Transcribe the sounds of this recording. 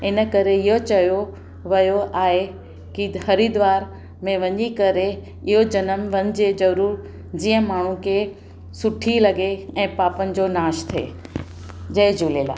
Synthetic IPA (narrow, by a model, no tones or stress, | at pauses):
ɪnə̆kɐɾeɪɦot͡ɕɐjo | ʋɐjoʔaːɦe | kihɐɾid̪ʋaːɾ | mẽʋɐɲikɐɾe | ɪɦod͡ʑɐnəmʋɐɲd͡ʑed͡ʑɐɾuːɾ | d͡ʑiːə̃maːɳ̤ũkʰe | sʊʈʰilɐɡeɛ̃ːpaːpənɪ̆d͡ʑonaːʃt̪ʰḛː | d͡ʑɐd͡ʑʱuːleːla̰ː